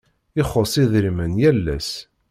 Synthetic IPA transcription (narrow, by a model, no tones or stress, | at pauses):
ɪχosˤiðɾimənjælːæ̰s